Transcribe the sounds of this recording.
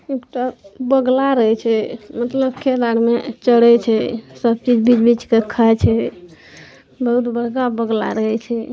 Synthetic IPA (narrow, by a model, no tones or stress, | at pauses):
ekʈabəɡlaɾəɦɛt͡ʃʰɛmət̪ləbkʰelaɽmet͡ʃəɽɛt͡ʃʰɛsəb̚t͡ʃid͡ʒbid͡ʒbit͡ʃkekʰːat͡ʃʰɛ | bəɦut̪bəɽkabəɡla̰ɾəɦɛt͡ʃʰɛ